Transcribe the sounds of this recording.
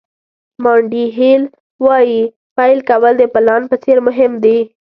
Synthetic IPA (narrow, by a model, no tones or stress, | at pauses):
mɑɳɖiɦel | wɑji | pajlkawəld̪əpɪlɑnpət͡seɾmʊɦɪmd̪e